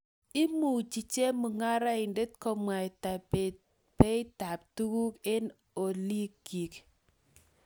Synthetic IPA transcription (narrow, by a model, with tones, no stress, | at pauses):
ɪ˦mu˨t͡ʃi˨t͡ʃe˦mu˨ŋa˦ɾa˦ɪ˨nde˦t̚kɔ˦mwa˨ɪ˨ta˨ | pe˦ɪ˦ta˨p̚tu˦ɡu˦ke˦n | o˨li˦ki˨k